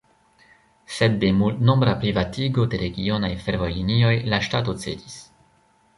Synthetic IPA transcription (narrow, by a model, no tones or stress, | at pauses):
se̞d̚de̞multno̞mbɾapɾivatiɡo̞de̞ɾe̞ɡio̞najfe̞ɾvo̞jlinio̞jlaʃtat̬o̞t͡se̞̰dis